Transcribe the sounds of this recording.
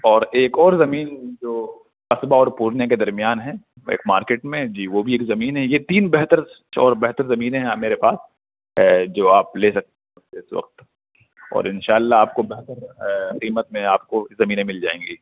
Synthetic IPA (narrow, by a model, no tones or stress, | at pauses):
ɔːɾeːkɔːɾzɐmiːnd͡ʒoː | qɐsbaɔːɾpuːɾnjaked̪ɐɾmijaːnɦɛ̃ː | ḛːkmaːɾkeːʈmẽd͡ʒiːʋobʱieːkzɐmiːnɦɛ̃jet̪iːnbɛɦt̪əɾ | ɔ̰ːɾbɛɦt̪əɾzɐmiːnẽɦɛ̃meːɾepaːs | ɦɛd͡ʒoːaːpleːsɐk̚t̪eɦɦɛ | eɪsʋɐ̰q̚t̪ | ɔ̰ːɾɪnʃaːlːaaːp̚kobɛɦt̪əɾqiːmət̪mẽaːp̚kozɐmiːnẽmɪld͡ʒaːḛ̃ːŋɡiː